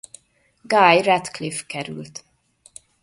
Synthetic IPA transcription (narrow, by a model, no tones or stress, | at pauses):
ɡajrɛt̪klifkɛɾʉ̰lt̪